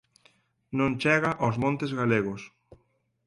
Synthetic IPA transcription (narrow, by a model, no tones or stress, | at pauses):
nõnt͡ʃɛɣaʔozmõnt̪ezɣaleɣʊs